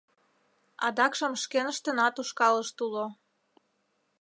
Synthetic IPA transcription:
ɑ̰d̪ɑkʃəmʃkenəʃt̪ənɑt̪uʃkɑləʃt̪ulo

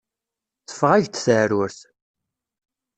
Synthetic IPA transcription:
θə̥fːʁæʝt̪θəʕɾʊɾθ

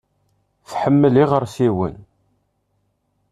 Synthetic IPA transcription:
θħəmːəliʁəɾˤsiwə̰n

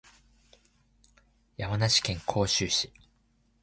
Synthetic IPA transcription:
jamanaɕi̥kẽ̞ŋkʰo̞ːɕɨːɕi̥

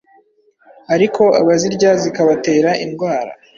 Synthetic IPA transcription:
aɾikʰo̞a̰βaziɾɟazikaβate̞ːɾaʔinɡwaːɾa̰

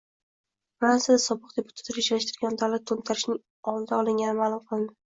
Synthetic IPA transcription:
fɾansʲad̪asɒbɨq̚d̪epʰʊ̥t̪ʰḁt̪aɾɪt͡ʃlaʃt̪ɪɾɡʲand̪awlat̪̚k̪ʰont̪ʰaɾɪʃnɪŋ | ɒlˠd̪aɒlɪŋɡʲanɪmaːlˠʊmqʰɨlˠd̪ɪ

